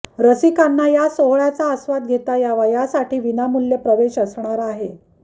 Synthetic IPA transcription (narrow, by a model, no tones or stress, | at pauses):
ɾəsikanːajasoɦɭjat͡saəsʋad̪̚ɡʱet̪ajaʋəjasaʈʰiːʋinamulːepɾəʋeɕəsɳaɾaɦe